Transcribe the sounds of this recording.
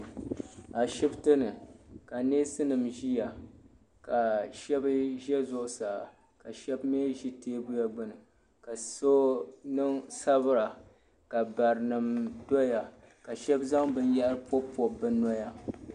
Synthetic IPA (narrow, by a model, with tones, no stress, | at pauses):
a˨ʃi˦btɨ˦nɨ˨ka˨neː˦sɨ˦nɨ˨mʒi˦ja˨ | ka˨ʃɛ˦bʒɛ˦zʊ˦ʔʊ˦sa˨ | ka˨ʃɛ˦bme˦ʒi˦teː˦bu˦ja˦ɡ͡bɨ˦nɨ˨ | ka˨so˦nɨ˦ŋsa˦βɨ˦ɾa˨ | ka˨ba˨ɾɨ˨nɨ˨mdo˦ja˨ | ka˨ʃɛ˦bza˦ŋbɨ˦n˦ja˦ɾɨ˦po˦pɔ˨bɨ˦nɔ˦ja˦